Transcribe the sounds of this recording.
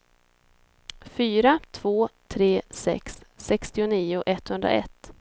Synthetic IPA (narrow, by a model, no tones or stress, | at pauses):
fyːɾat̪ʰv̥oːt̪ʰɾeːsɛ̰ksːɛkst̪ɪʊniːʊʔɛt̪ːhɵnd̪ɾa̰ʔɛ̰t̪ː